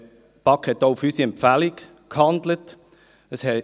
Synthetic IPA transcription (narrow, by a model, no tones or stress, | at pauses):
pɑkhɛtːoufysiɛmpfælik | khɑndlət | əshɛ